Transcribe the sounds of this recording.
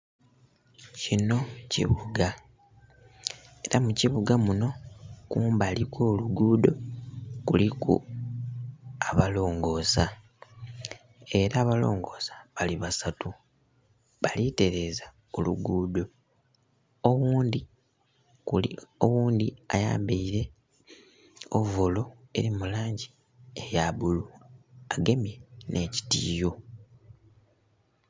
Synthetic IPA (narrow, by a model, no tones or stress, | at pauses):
cino̞cḭβuɡa | e̞ɾamuciβuɡamuno̞kuːmbalikoːluɡuːdo̞kulikṵ | aβalo̞ːŋɡo̞ːsa | e̞ɾaːβalo̞̰ːŋɡo̞ːsḁβaliβasatu | βalite̞ɾe̞ːza | oluɡuːdo̞ | owuːndi | owuːndia̰ja̰ːmbiiɾe̞ | ovolo̞e̞̰ɾimulaːɲɟi | ejaβuluaɡe̞mje̞nʔe̞ːci̥tiːjo̞